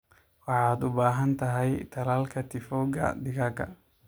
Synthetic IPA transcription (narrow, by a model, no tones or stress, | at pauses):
wɑħɑːd̪ʊbaːɦɐnt̪ʰɐɦɛjt̪ʰɐlaːlkʰɐt̪ʰɪfɔːɡɐ̰d̪ɪɣɐɡɐ̰